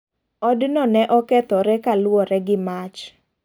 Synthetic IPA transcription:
ɔdnɔnɛʔɔkɛt̪ɔɾɛkalwɔɾɛɡɪmat͡ʃ

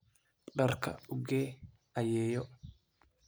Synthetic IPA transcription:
ɗɐrkʰɐ̰ʊɡeː | ɐjeːjɔ

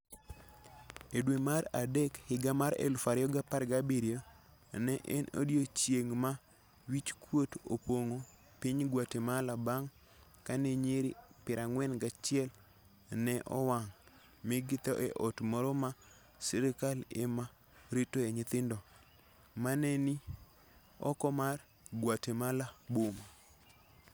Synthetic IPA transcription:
edwemaɾadekhɪɡamaɾḛlfaɾjɔɡapaɾɡabiɾjo | nɛʔɛno̰djot͡ʃjeŋma | wit͡ʃkwoto̰poŋo | piɲɡwatemalabaŋ | kaneɲeɾipɪɾʔaŋwɛnɡat͡ʃɪɛl | nɛʔɔ̰waŋ | miɡɪt̪ɔʔɛʔɔtmɔɾɔma | sɪɾɪkalḛma | ɾitoeɲɪt̪ɪndɔ | manɛni | ɔ̰kɔmar | ɡwatemalaboma

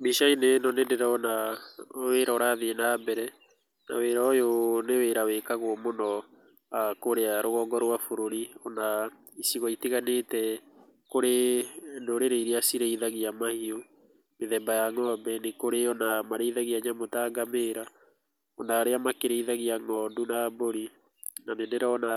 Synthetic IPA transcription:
miʃainenɔnendeɾɛɔna | weːɾaɔɾaðeenaːbɛɾɛ | na̰weɾajoneweɾawekaɣwɔmonɔ | akoɾeaɾoɣɔːŋɡɔɾwafoɾoɾiɔna | isiɣɔitiɣanetɛ | koɾendoɾeɾeiɾeasiɾeiðaɣiamahio | meðɛmbajaŋɔbɛnekoɾeɔnamaɾeiðaɣiaɲamotaɡameːɾa | ɔnaːɾeamakeɾeiðaɣiaŋɔndunaboɾi | naneneɾɛɔna

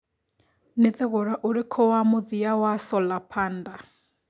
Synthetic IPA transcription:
nɪθɪɣʊɾaʔuɾɪkʰɔwamʊðijawasɔlapʰaːnda

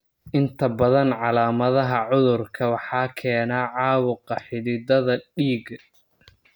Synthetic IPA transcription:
ʔɪnt̪ʰɐbɐðɐnʕɑlaːmɐðɐɦɐʕʊðʊrkʰɐwɑħɑːkʰɛːnaːʕɑːwʊqɑħɪðɪd̪ɐðɐɖiːɡ

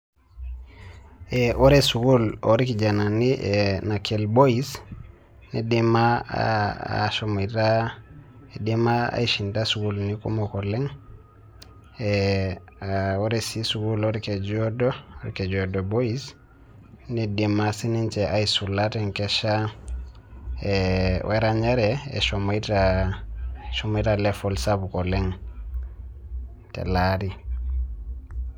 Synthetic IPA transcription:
eʔoɾesuɡuloɾikid͡ʒananiʔenakʰelbois | nidimaa̰a̰ʃomita | edimaa̰iʃintasuɡulnikumokoleŋ | e | oɾesisuɡuloɾked͡ʒodoɔɾkɛd͡ʒɔdɔbois | nidimasinint͡ʃɛʔaisulatɛŋkɛʃa | ɛwʔɛɾaɲaɾɛɛ̰ʃɔmaita | ʃɔmaitalɛfɔlsabukɔlɛŋ | tɛ̰laɾi

